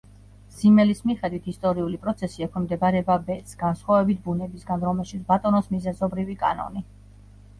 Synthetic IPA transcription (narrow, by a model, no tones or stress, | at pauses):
z̥imɛlismiχɛd̪wit̪ʰist̪ʼɔɾiulipʼɾɔt̪sʰɛsiɛkʰɛmd̪ɛbaɾɛbabɛt̪sɡ̥ansχwavɛbit̪̚ʰbunɛbisɡanɾɔmɛlˠʃit̪sbat̪ʼɔnɔsmizɛzɔbɾivikʼa̰nɔ̰ni